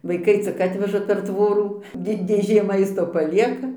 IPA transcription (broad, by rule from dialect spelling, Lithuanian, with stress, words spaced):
ʋɐɪˈkɐɪ t͡sʲɪk ˈɑːtʲʋʲɛʒɐ pʲɛr ˈtʋoːruː ˈdʲɪ dʲeːˈʒʲeː ˈmɐɪstoː pɐˈlʲiɛkɐ